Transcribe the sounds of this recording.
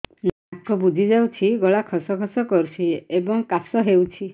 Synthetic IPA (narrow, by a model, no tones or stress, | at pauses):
nakɔbud͡ʒʱid͡ʒawt͡ʃʰiɡɔɭakʰɔsɔkʰɔsɔkɔɾut͡ʃʰiebɔŋkasɔɦewt͡ʃʰi